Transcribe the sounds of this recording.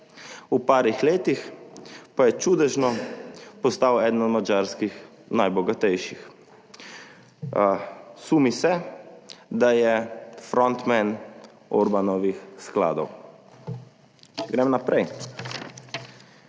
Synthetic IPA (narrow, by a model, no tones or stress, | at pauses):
upaːɾixleːt̪ixpajɛt͡ʃuːd̪ɛʒnɔpɔst̪awɛd̪nɔd̪mad͡ʒaːɾskix | najbɔɡat̪ɛjʃix | sumisɛ | d̪ajɛfɾɔnt̪mɛn | ɔɾbanɔʋixskla̰ːd̪ɔw | t͡ʃɛɡɾɛmnapɾɛj